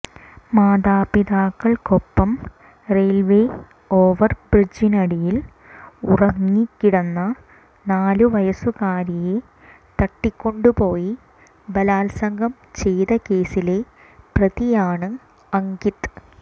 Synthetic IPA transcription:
maːðaːpiðaːkːɐɭkopːɐm | reːlʋeː | o̞ːʋɐrbrid͡ʑinɐɽijil | urɐŋːikːiɽɐnːɐ | naːluʋɐjɐsukaːɾije̞ | t̪ɐʈːikʲːo̞ɳɖupo̞ːji | bɐlaːlsɐŋɡʱɐm | t͡ɕe̞jðɐke̞ːsile̞ | prɐðijaːɳɨ | ɐŋɡit̪

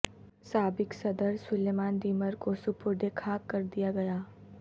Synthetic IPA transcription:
saːbɪksɐd̪əɾsʊleːmaːnd̪iːməɾkosʊpʊɾd̪ekʰaːkːɐɾd̪ijaɡɐjaː

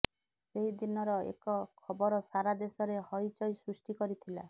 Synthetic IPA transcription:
seɦid̪inɔɾɔḛkɔkʰɔbɔɾɔsaɾad̪esɔɾehɔjt͡ʃɔjsɾusʈikɔɾit̪ʰila̰

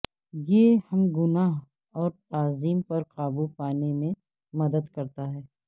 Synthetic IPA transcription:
jehɐmɡʊnaːɦ | ɔːɾt̪aːziːmpɐɾqaːbupaːnemẽ | mɐd̪əd̪kɐɾt̪aɦɛː

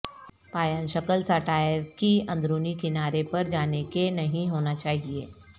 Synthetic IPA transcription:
paːjənʃəkəlsaːʈaːjəɾkiɐ̃nd̪ɾuːnikɪnaːɾepɐɾd͡ʒaːnekenɐɦĩɦoːnat͡ʃaːɦieː

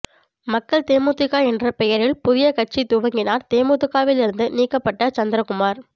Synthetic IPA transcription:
mɐkːɐɭt̪eːmuːt̪ːɪkːaːɛndrɐpɛjɐɾɪlpʊðɪjɐkɐʈ̚t͡ʃːit̪ʊʋɐŋɡɪnaːɾt̪eːmuːt̪ɯkaːʋɪlɪɾɯnd̪ɯniːkːɐpːɐʈːɐt͡ʃɐnd̪ɪɾɐkʊmaːɾ

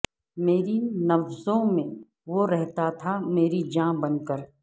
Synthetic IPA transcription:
meːɾinɐfzõmẽ | ʋoɾɛɦt̪at̪ʰameːɾid͡ʒãːbɐnkəɾ

